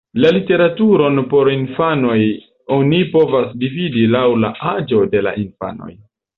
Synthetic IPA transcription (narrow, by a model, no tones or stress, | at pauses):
lalite̞ɾatuɾo̞npo̞ɾinfano̞j | o̞nipo̞vasdividilawla̰ʔad͡ʒo̞de̞la̰ʔinfa̰no̞̰j